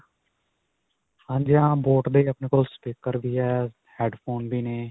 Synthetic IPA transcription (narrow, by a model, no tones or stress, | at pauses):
hãːd͡ʒjãːboːʈd̪eːəpneːkoːlspiːkːəɾbiːɦɛː | hɛːɖpʰoːnbiːneː